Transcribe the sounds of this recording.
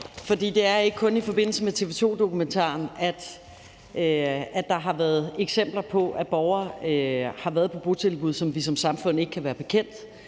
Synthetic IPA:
fɒ̽dḭːd̥e̝æɐe̝ɡ̥əkʰɔ̽nifɒ̽b̥e̝n̰l̩səmet͡sʰe̝ʋe̝t͡sʰo̝̰ːd̥o̝kument͡sʰɑ̰̈ːnæd̥ | æ̥ɑ̈ɦɑ̈ʋæːɐð̞ˠeɡ̥sem̰b̥lɐpʰɒ̽ʔæb̥ɒʊɐ | hɑ̈ʋæːɐð̞̩ˠpʰɒ̽b̥o̝t͡sʰe̝lb̥uð̞ˠsɒ̽mʋisɒ̽msɑ̈mfɔ̽n̰ˠe̝ɡ̥əkʰæʋæːɐb̥e̝kʰen̰d̥

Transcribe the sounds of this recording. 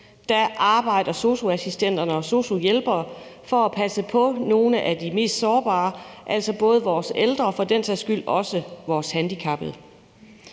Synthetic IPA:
d̥æʔɑ̈ːb̥ɑ̈ɪ̰d̥ɐso̝ɕo̝æsisd̥en̰d̥ɐnəɒ̽so̝ɕo̝jelb̥ɐːfɒ̽æpʰæsəpʰɒ̽no̝ːləʔæd̥ime̝̰ːsd̥sɒːb̥ɑ̰̈ːʔæl̰sɒ̽b̥ɔ̽ːð̞ˠəʋɒːseld̥ʁɐfɒ̽d̥en̰sæsɡ̥yl̰ɒ̽səʋɒːshænd̥ikʰɑ̈b̥ð̩ˠ

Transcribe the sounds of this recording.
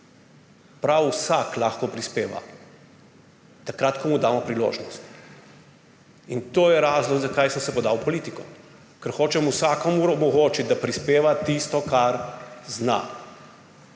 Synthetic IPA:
pɾawsaklaːxkɔpɾispeːʋa̰ | t̪akɾat̪kɔmud̪aːmɔpɾilo̰ːʒnɔst̪ | int̪oːjɛɾaːzlɔɡzakajsəmsɛpɔd̪awpɔliːt̪ikɔ | kɛɾxoːt͡ʃɛmusaːkɔmuɾɔmɔɣoːt͡ʃit̪̚d̪apɾispeːʋat̪ist̪ɔkaɾzna̰

